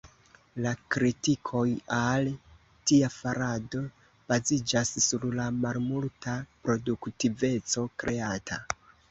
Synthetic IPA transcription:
lakɾitikʰo̞jal | tiafaɾado̞ | b̥azid͡ʒasːuɾlamalmultapɾo̞duktive̞t͡so̞kɾʔe̞atʰa

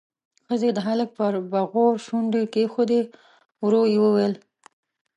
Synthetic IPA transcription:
xəzed̪əɦalək̚pəɾbaɣoɾʃuɳɖekexod̪e | wɾojewəwel

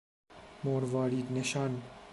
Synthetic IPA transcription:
moːɾvɑːɾiːd̪neʃɑːn

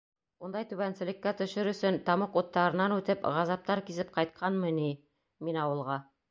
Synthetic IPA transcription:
und̪ɑjt̪ʉβænsɘ̆lɘ̆kːæt̪ɵ̆ʃɘɾɵ̆sɵnt̪ɑmɤqut̪ːɑɾɤ̆nɑnʉt̪ɘpʁɑzɑp̚t̪ɑɾkizɘp̚qɑjt̪̚qʰɑnmɤni | minɑwɤ̆lˠʁɑ

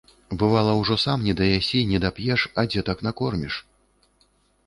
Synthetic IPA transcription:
bɨvalˠɐwʐɔsamnʲɛd̪ɐjasʲinʲɛd̪apjɛʂɐd͡zʲɛt̪aknakɔrmʲiʂ

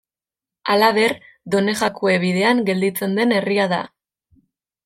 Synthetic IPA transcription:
alaβe̞r | d̪o̞ne̞ɣakoe̞βiðe̞aŋɡe̞ld̪it͡se̞nd̪e̞ne̞riaða̰

